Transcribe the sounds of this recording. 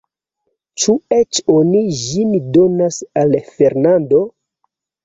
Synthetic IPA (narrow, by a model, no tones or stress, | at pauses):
t͡ʃuet͡ʃoniʒimidonasalfe̞ɾnando̞